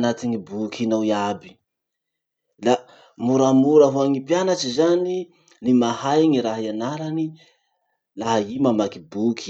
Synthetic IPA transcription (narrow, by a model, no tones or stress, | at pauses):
nat̪iŋibukʰinawiabi̥ | la | muɾamuɾaɦuaŋipjanat͡ʃizani | limahajŋiɾaɦaianalani | laɦaimamakibukʰi̥